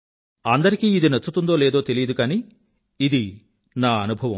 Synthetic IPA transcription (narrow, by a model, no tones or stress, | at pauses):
ɐnd̪ɐɾikiːid̪inɐt͡ʃːut̪und̪o̞ːleːd̪o̞ːt̪e̞lijɐd̪ukaːniː | id̪i | naːɐnubʱɐʋɐm